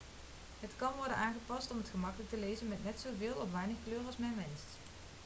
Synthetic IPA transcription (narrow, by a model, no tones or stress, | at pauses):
ɦətkɑnʋɔɹdənʔaːnχəpɑstɔmətχəmɑkələk̚təlejzənmɛtnɛtsowvɪːlˠɔfʋaːnəχkløːrɑlˠsmɛnʋɛnst